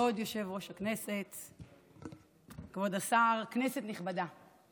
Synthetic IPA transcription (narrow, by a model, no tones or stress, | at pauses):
o̞d̪jo̞ʃe̞vʁo̞ʃakne̞set | kvodasaʁknese̞t̪niχbada